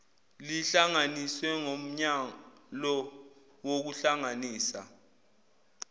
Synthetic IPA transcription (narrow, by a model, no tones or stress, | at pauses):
liɬaŋaniswɛŋom̩ɲalɔ | wok̬uɬaŋaniːsa̰